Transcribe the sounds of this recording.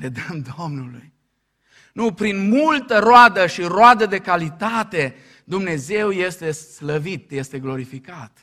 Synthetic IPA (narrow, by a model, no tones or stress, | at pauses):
ed̪əmd̪o̞mnuluj | nupɾinmult̪əɾoad̪əʃiɾoad̪əd̪e̞kalit̪at̪e̞ | d̪umne̞ze̞wje̞st̪e̞sləvit̪je̞st̪e̞ɡlo̞ɾifikat̪